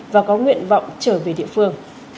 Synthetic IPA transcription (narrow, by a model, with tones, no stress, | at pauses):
vaː˨˩kɔ˨˦ŋwḭ˧˨ənva̰˧˨wŋ͡mt͡ɕəː˧˩ve˨˩ɗḭ˧˨ə˨fɨ˧əŋ